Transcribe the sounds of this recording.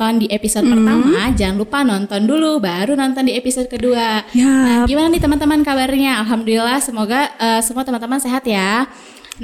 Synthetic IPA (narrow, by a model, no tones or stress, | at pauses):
ɔndiʔepisod̚pərt̪amad͡ʒaŋlupanɔnt̪ɔndulubaɾunɔnt̪ɔndiepisod̚kəduanaɡimanadit̪əmant̪əmankabaɾɲaːlɦamdolilahsəmoɡaʔəːsəmuat̪əmant̪əmanseɦat̪ja | n